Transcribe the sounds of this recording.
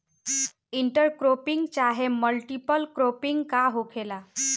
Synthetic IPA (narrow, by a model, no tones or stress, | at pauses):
iɳʈəɾkɾopiŋɡt͡ɕaɦeməlʈipəlkɾopiŋɡkaɦokʰela